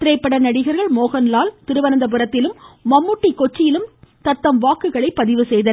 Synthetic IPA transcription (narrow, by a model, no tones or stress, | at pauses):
t̪ɪɾɐɪpːɐɽɐnɐɽɪɣɐɾɣɐɭmoːɣɐnlaːlt̪ɪɾɯʋɐnɐnd̪ɐp̬ɯɾɐt̪ːɪlɯmːɐmːɯʈːikːɔt͡ʃːɪjɪlɯmt̪ɐt̪ːɐmʋaːkɯɣɐɭɐɪpːɐðɪʋɯsɛjðɐ